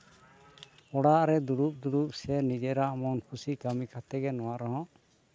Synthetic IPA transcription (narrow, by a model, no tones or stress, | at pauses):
ɔɽaʔɾɛd̪uɾup̚d̪uɾup̚sɛnid͡ʒɛɾaʔmɔnkʰusikamikʰat̪ɛɡɛnɔwaʔɾɔɦɔ̃ʔ